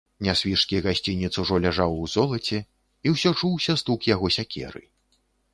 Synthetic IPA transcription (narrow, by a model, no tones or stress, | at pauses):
nʲasʲvʲiʂkʲiɣasʲt͡sʲinʲːit̪suʐɔlʲaʐawwzɔlˠɐt͡sʲɛ | iwsʲɔt͡ʂuwsʲɐst̪ukjaɣɔsʲakʲʰɛ̰ɾɨ̰